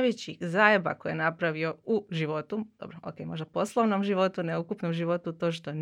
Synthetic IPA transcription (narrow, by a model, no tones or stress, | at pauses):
ʋet͡ɕixzaːjeba̰kojenapɾaʋio̞uʒiʋo̞t̪ud̪̥o̰bɾoʔo̰keːmo̞ʒd̪apo̞slˠoʋnomʒiʋo̞t̪uneukupnomʒiʋo̞t̪ut̪o̞ːʃt̪o̞n